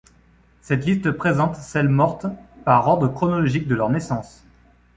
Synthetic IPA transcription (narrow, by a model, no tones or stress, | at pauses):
sɛt̪list̪əpχezɑ̃t̪sɛlmɔʁt̪paʁɔʁd̪ʁəkχɔnɔlɔʒik̚d̪əlœʁnesɑ̃s